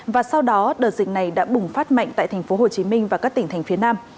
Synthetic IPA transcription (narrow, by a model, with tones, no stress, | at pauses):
vaː˨˩sa˧wɗɔ˨˦ɗəː˨˩zï˨˩k̟na˨˩jɗa̰ː˧˥ɓʊ˨˩ŋ͡mfaː˦˥t̚ma̰˧˨jŋ̟t̪a̰ː˧˨t̪ʰa˨˩ŋ̟fo˨˦ɦho˨˩t͡ɕi˨˦mï˧ŋ̟vaː˨˩kaː˦˥k̚t̪ï˧˩ŋt̪ʰa˨˩ŋ̟fi˨˦ənaː˧m